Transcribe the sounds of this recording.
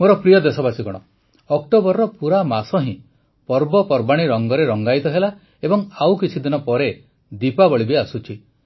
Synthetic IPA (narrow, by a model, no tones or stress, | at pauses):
moɾɔpɾijɔd̪esɔbasiɡɔɽ̃ɔ | ɔk̚ʈobɔɾːɔpuɾamasɔɦĩ | pɔɾbɔpɔɾbaɽ̃iɾɔŋɡɔɾeɾɔŋɡajt̪ɔɦela | ebɔŋawkit͡ʃʰid̪inɔpɔɾe | d̪ipabɔɭibeasut͡ʃʰi